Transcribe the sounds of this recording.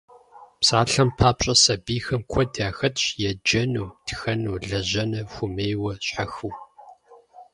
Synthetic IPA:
psaːɬɐmpʰaːpɕʼɐsɐbiːxɐmkʷʰɔdaːxɐtʰɕjɛd͡ʒɐnuːtxɐnuːɮɐʑɐnɐxʷʊmeːjwɐɕħaxuw

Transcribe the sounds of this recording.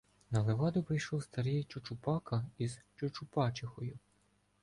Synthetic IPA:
nɐlˠeʋɑd̪ʊpɾɪjʃlɔwst̪ɐɾijt͡ʃʊt͡ʃʊpɑkɐizt͡ʃʊt͡ʃʊpɑt͡ʃɪxɔjʊ

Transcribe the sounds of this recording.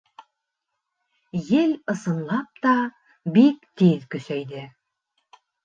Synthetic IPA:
jɘlɤ̆sɤ̆nlˠɑp̚t̪ɑ | bikt̪iðkɵ̆sæjd̪ɘ

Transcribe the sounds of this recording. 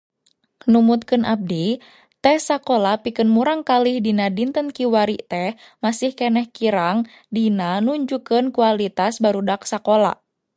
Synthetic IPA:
numut̪̚kɨnʔab̚di | t̪ɛsakolapikɨnmuɾaŋkalihdinadint̪ənkiwaɾiʔt̪ɛh | masihkɛnɛhkiɾaŋ | dinanuɲd͡ʒukənkualit̪asbaɾudaksakola̰

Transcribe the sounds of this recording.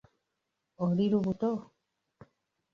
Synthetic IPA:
oɾiɾuβut̪o

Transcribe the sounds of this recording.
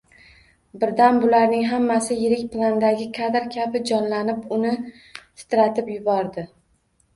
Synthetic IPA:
bɪɾd̪anbʊlaɾnɪŋɦamːasɪjɪɾɪkʲplˠand̪aɡʲɪkʰad̪ɾkʲʰabɪd͡ʒɒnlanɪpʊnɪ | sɪ̥t̪ɾat̪ʰɪpjʊbɒɾd̪ɪ

